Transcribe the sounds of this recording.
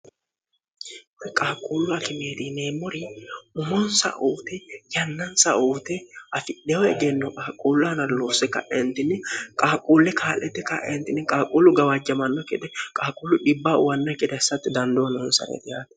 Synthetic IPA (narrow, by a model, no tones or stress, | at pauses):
kʼaːkʼuːlːʊɐkɪmeːd̪iːneːmːɔɾɪʊmɔnsɐ̰ʔuːt̪ɛjɐnːɐnsɐʔuːt̪ɛɐfɪɗɛjɔɛɡɛnːɔkʼaːkʼːuːlːɔɐnɐloːsɛkɐ̰ʔɛnt̪ɪnːɪkʼaːkʼuːlːɛkʰaːlːɛt̪ːɛkaʔɛ̰nt̪ɪnːɪkʼaːkʼuːlːʊɡɐwɐd͡ʒɐmɐnːɔkɛd̪ɛkʼaːkʼuːlːʊᶑɪbːaːʊwɐnːɐkʼɪd̪ɛsːɐt̪ːɪd̪ɐnd̪onːɔɛnsɐ̰ɾɛ̰t̪ɪjaːt̪ɛ̥